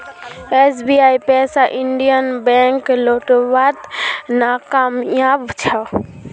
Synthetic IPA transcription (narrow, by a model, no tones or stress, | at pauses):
esbiajpɛsaʔiɳɖijənbɛ̃ŋkloʈbat̪nakamjabt͡ʃʰə